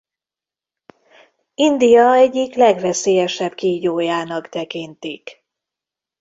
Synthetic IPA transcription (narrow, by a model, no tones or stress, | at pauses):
ind̪ijɒɛɟiklɛɡvɛseːjɛʃɛb̥kiɟoːjaːnɒkt̪ɛkint̪ik